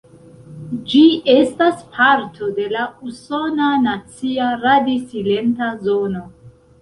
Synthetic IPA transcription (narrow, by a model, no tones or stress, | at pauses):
d͡ʒiestaspʰaɾtʰo̞de̞lauso̞nanat͡siaɾadisile̞ntazo̞no̞